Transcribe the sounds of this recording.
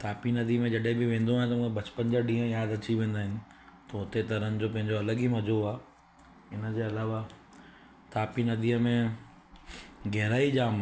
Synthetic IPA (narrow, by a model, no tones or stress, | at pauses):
t̪ʰaːpinɐd̪ʱimẽd͡ʑɐɗɦẽbɪʋẽːn̆d̪oaːɦɪ̃nt̪ɐmũːẽbɐt͡ɕpənd͡ʑəɖĩːɦə̃jaːd̪ɐt͡ɕiʋẽːn̆d̪aːɦɪnɪ̆ | t̪ɐɦʊt̪et̪ɐɾənɪ̆d͡ʑoːpɐ̃ɦɪ̃ɲd͡ʑoɐləɡimɐd͡ʑuaː | ɪnəd͡ʑeːɐlaːʋa | t̪ʰaːpinɐd̪ʱiːəmẽ | ɡɛɦɪɾaːid͡ʑaːm